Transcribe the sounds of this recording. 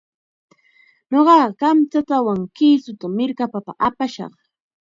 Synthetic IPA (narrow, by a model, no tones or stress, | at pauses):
ɲoɢɑːkamt͡sat̪awaŋkiːsʊt̪amɪɾkapapa̰ʔapaʃɑ̰χ